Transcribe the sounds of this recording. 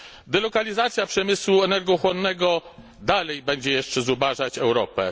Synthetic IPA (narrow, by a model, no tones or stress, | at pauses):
d̪ɛlɔkalʲizat̪sʲjapʂɛmɘswuɛnɛɾɡɔxwɔnːɛɡɔ | d̪alɛjbɛɲd͡ʑɛjɛʂt͡ʂɛzubaʐat͡ɕɛwɾɔpɛ̰